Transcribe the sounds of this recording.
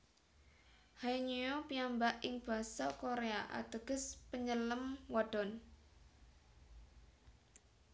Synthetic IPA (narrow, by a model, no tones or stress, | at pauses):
hajɲujopiambaʔɪŋb̥a̤sɔkoɾeaʔa̰t̪əɡ̥ə̤spəɲələmwaɖ̥ɔn